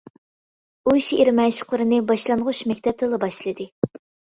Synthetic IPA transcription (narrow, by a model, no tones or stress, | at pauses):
uiʃieɾmɛnʃə̥qlˠɨɾɨnɨbɑʃlˠɑnʁʊʃmɛkʲt̪ʰɛp̚t̪ʰɨlˠɑbɑʃlˠɨd̪ɨ